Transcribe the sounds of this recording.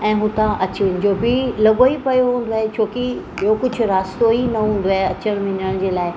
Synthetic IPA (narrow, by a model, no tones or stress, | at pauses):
ɛ̃ːɦũːt̪ãʔɐt͡ɕiːñd͡ʑoːbɪlɐɠoipɐjoɦũːn̆d̪oaːɦet͡ɕʰoːkiɓiɦokʊd͡ʑʱʊ̆ɾaːst̪oinɐɦũːn̆d̪oaːɦeɐt͡ɕəɽ̃mɪ̃nəɽ̃d͡ʑeːlaːɪ